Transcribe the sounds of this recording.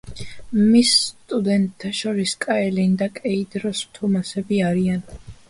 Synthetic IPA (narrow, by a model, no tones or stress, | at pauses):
misːt̪ʼud̪ɛnt̪ʼʰːaʃɔɾiskʼaɛlind̪akʼɛid̪ɾɔsmt̪ʰumasɛbiaɾian